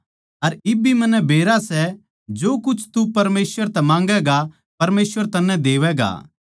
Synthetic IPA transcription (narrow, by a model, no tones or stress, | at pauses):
ɐɾɪbʱimɐ̃nːɛbʱeːɾasɛ | d͡ʒoːkʊt͡ʃʰt̪upɐɾmeːsʋəɾt̪ɛmãːŋ̆ɡɛɡa | pɐɾmeːsʋəɾt̪ɐnːɛ̃d̪eːʋɛɡa̰ː